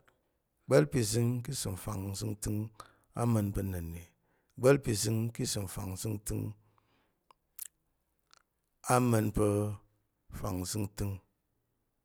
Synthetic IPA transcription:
ɡ͡bə˦lpi˨zɨ˦ŋk̬i˦sɨ˨m̩˨fa˨ŋ̩˨zɨ˦ŋtɨ˦ŋ | a̰˦mə˧nbə˧nə˨nːe˨ | ɡ͡bə˦lpi˨zɨ˧˦ŋki˦sɨ˨m̩˨fa̰˨ŋ̩˨zɨ˦ŋtɨ˦ŋ | a˦mə˧npə˧ | fa˨ŋ˨zɨ˦ŋtɨ˦ŋ

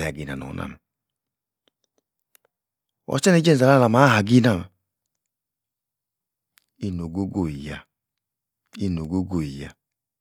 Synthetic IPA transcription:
ja˨ɡi˨na̰˨nɔ̰˨˦nʔa̰˦˨m˨ | ɔ̰˨t͡ʃɛ˦nɛ˨˦d͡ʒɛ˦˨a˨la˦a˦la˨˧ma˨˦ɦa˨ɡi˦na˦˨ma˨ | i˦no˨ɡo˦ɡo˦˨i˨ja˨ | i˦˨no˨ɡo˦ɡo˦˨i˨ja˨

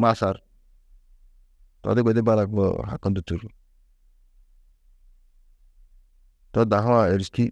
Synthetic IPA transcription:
ma˦sa˨ɾ | tɔ̰˨dɪ˦ɡʷɛ˨di˦ba˦la˨k̚bɔ̰ɦa̰˨kɔ˦ndu˨tu˨ɾ | tɔ˦da˨ɦa˦a˨e˨ɾi˨ski˦

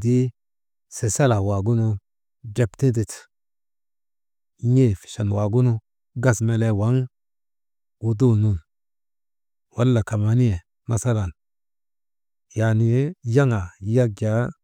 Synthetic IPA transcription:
di˦ | se˨sa˦la˨wa˨ɡu˦nu˦ | de˨pti˦di˨t | ɲe˦˨fi̥˨ʃa˨n˨wa˨ɡu˦nu˦ | ɡa˦sme˦le˦wa˨˦ŋ | ɡu˨du˦nu˨ | wa˨˦lːa˨ka˨ma˨˦ni˦ɛ˨ | ma˦sa˦la˨n | ja˨ni˨˦ja˦ŋa˨˦ja˦ɡa˨˦

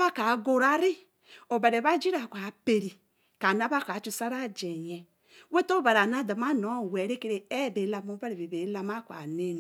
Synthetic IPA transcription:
βa˦ka˨˦ɡo˦ɾa˦ɾi˦ | o˨ba˨ɾe˨βa˦d͡ʒi˦ɾa˨kʷa˨˦pe˨ɾi˨ | ka˨na˦βa˦ka˨˦t͡ʃu˦sa˦ɾa˦˨d͡ʒɛ˨ɲɛ˨ | we˦to˦ba˨ɾa˨na˦˨da˨ma˦nɔ˨˦˨wɛ˨ɾe˦ke˦ɾe˦˨ɛ˦˨be˨˦la˦mo˦ba˦ɾe˨βe˨be˨˦la˦ma˦kʷa̰˨ne˦n˨

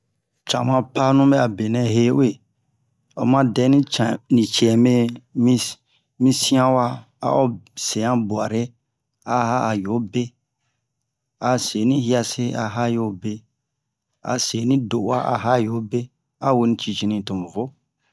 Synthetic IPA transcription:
t͡ʃã˨mã˦pa˦nũ˦mbɛ˦a˨be˨nɛ̃˨ɦe˦we˦˨ | o̰˨mã˦dɛ˦nĩ˦t͡ʃa˨nĩ˨t͡ʃi˨ɛ˨me˦mĩ˦ | mĩ˦sĩ˦ã˦wa˦ | a̰˦o˦se˨ã˦bu˨a˨ɾe˦ | a˦ɦa˦a˨jo˨˦be˦ | a˨se˨nĩ˦hi˦a˧se˦a˨ɦa˦jo˨˦be˦ | a̰˨se˨nĩ˦do˨ʔwa˦ʔa̰˨ɦa˦˨jo˨˦be˦ | a˦we˦nĩ˦t͡ʃi˧t͡ʃi˧nĩ˧˨to˨m˨vo˦

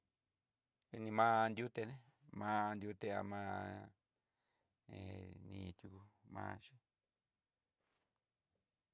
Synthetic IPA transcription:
nĩ˧mã˦˧nd̪ju˦t̪e˧nẽ˦˧ | mã˦˧nd̪ʲu˦t̪e˧a̰˧mãː˦ | ḛ̃˧nḭ̃˧t̪ju˧ku˧mã̰ː˧˦ʃĩ˦

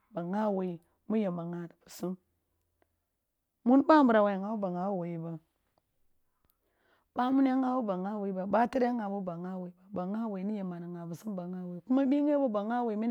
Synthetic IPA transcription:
ba˨ŋa˦we˨i˨ | mu˦je˨ma˨ŋa˨di˨b̥u̥˨su˦m | mu˦nba˦m˦bu˨ɾa˨wa˨ŋa˨˦u˦ba˨ŋa˨˦we˨i˨ba˨ | ba˦mu˦n˦a˦ŋa˦bu˦ba˨ŋa˦we˨i˦ba˨ba˦ti˦ɾŋa˨bu˦ba˨ŋa˦we˨i˨ba˨ba˨ŋa˦we˨i˨ni˦je˨ma˨na˨ŋa˨bu˨su˦mba˨ŋa˦we˨i˨ku˦ma˦bi˦ŋ˦e˦bo˦ba˨ŋa˦we˨i˨mi˦

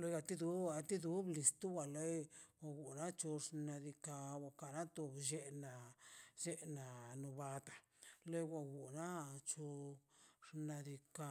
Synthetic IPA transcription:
lo˧˦ja˧t̪i˦d̪u˦a˧t̪i˦d̪u˦bli˨st̪u˦wa˨le˦jwa˧ɡu˨na˦t͡ʃo˧ʂna˧d̪i˧ka˧wa˧ka˨na˦t̪o˧bʒe˦na˨d͡ʒe˦na˨nu˧ba˧t̪a˨ | le˦wʷa˧ɡu˨na˦t͡ʃo˧ʂna˧d̪i˧ka˧

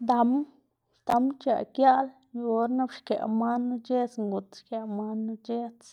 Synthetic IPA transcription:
d̪a˧m | d̪a˧mt͡ʃa̰˨ʔkja˦ʔl | jo˦ɾna˦bʃkḛ˨ʔma˦nːu˧t͡ʃe˦t͡sŋɡu˨t̪ʃke˧˨ma˦nːu˧t͡ʃe˦t͡s

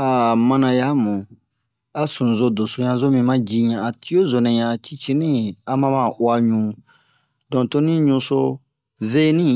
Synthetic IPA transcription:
a˨mã˧nã˧ja˦mũ˨ | a˨sũ˨zo˨do˨so˨ɲã˧˨zo˦mĩ˧mã˦d͡ʒi˧ɲã˨a˨ti˦o˦zo˨nɛ̃˨ɲã˨t͡ʃi˦t͡ʃĩ˦nĩ˦a˨mã˦mã˦˨ʔwa˧ɲũ˨˦ | dɔ̃˨to˦nĩ˦ɲũ˧so˧ | ve˦nĩ˦

